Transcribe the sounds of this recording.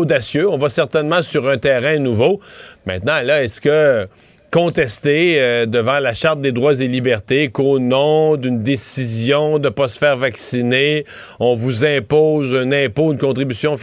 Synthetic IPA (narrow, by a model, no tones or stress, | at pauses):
od̪asjøɔ̃vasɛʁt̪ɛnmɑ̃syʁœ̃t̪ɛːʁɛ̃nuvomɛ̰̃t̪nɑ̃laɛskə | kɔ̃t̪ɛst̪ed̪əvɑ̃laʃaʁt̪̚d̪ed̪ʁwazelibɛʁt̪ekonɔ̃d̪ynd̪esizjɔ̃d̪əpasə̥fɛːʁvaksine | ɔ̃vuzɛ̃poːzɛ̃nɛ̃poynkɔ̃t̪ʁibysjɔ̃f